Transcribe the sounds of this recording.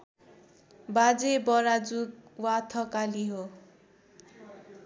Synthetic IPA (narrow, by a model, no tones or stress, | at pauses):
bad͡zebʌɾad͡zuk̚wat̪ʰʌkaliɦo